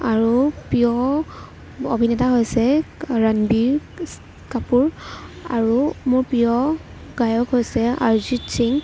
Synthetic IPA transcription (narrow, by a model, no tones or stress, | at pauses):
aɹupijɔ | obʱinɛtaɦojsɛɹanbiɹ | kapuɹaɹumʊɹpijɔ | ɡajɔkɦojsɛa̰ɹzisiŋ